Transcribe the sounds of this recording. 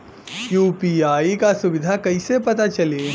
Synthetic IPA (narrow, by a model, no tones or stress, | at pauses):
juːpiaːikasʊʋɪd̪ʱakɐisepɐt̪at͡ʃɐleː